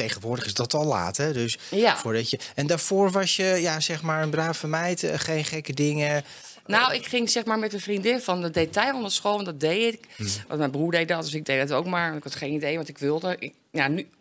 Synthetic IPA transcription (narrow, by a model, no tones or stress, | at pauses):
tejχənʋʊːɹdəχɪzdɔtɔlˠa̰ːtɛdøsjafʊːɹdɔtjəɛndaːɹfoːɹʋɑsjəjasɛxmaːɹənbraːfənmɛjtχejnχɛkədɪŋə | nowɪkχɪŋsɛxmaːɹmɛtəfrindɪnfɔndɔdejtɛjɔndətsxoːlˠndɔdejɪkʋ̰ntmɛjnbruːɹdej̚dɔt̚døsɪɡ̚dejdɔtowkmaːɹntɪkhɔtχeːnidejʋɔntɪkʋɪlˠdəɪ | jany